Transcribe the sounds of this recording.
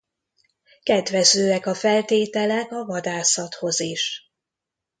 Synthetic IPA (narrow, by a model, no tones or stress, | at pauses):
kɛd̪vɛzøːɛkɒfɛlt̪eːt̪ɛlɛkɒvɒd̪aːsɒt̪ho̞ziʃ